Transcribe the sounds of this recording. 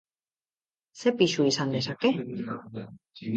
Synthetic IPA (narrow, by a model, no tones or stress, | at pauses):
se̞piʃuisand̪e̞sake̞